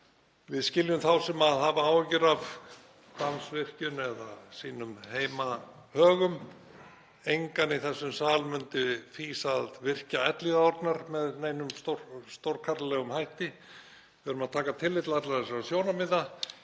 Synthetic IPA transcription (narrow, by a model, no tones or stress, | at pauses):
vɪðscɪljʏmθawsɛmaðhavaaːwɛcɪɾav | t̪ansvɪr̥cʏnɛðasiːnʏmheːjma | hœːɣʏm | ejŋkaniθɛsːʏmsaːlmʏnt̪ɪfiːsaðvɪr̥caɛt̪liɣaɔɾt̪naɾmɛðneːjnʏmst̪oɾst̪owɾkʰaɾllɛɣʏmhajht̪ɪ | vɪʏɾʏmaðt̪ʰaːkat̪ʰɪlːɪt̪lat̪lasɛmasjoːwnamɪða